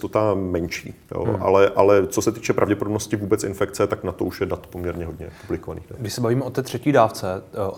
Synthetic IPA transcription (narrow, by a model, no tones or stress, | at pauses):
t̪ot̪amɛnt͡ʃḭːjo̰ʔa̰lɛʔalɛt͡sosɛt̪iːt͡ʃɛpɾavɟɛpodobnoscɪvuːbɛt͡sɪ̰nfɛkt͡sɛt̪aknat̪oʔuʃjɛdat̪pomɲɛɾɲɛɦo̞dɲɛ̰publɪkovanḭːxdat̪ɡdɪʃsɛbaviːmɛot̪ɛːt̪r̝̥ɛciːdaːft͡sɛ